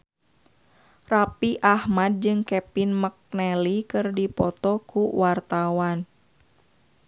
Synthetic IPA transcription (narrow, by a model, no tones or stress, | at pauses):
rapiʔahmad̚d͡ʒɨŋkɛpinmək̚nɛlikɨrdipɔt̪ɔkuwart̪awan